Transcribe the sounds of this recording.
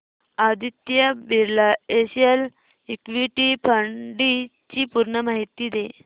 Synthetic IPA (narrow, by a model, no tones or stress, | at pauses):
ad̪it̪jəbiɾlaeɕijəl | ikʋiʈipʰəɳɖi | t͡ɕipuɾɳəmaɦit̪ːid̪e